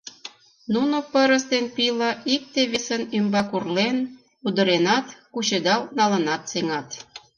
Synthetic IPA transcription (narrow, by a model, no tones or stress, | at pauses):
nunopəɾəst̪enpiləik̚t̪eβesənymbɑkurlen | ud̪ə̆ɾenɑt̪kut͡ɕed̪ɑlnɑlə̆nɑt̪seŋɑt̪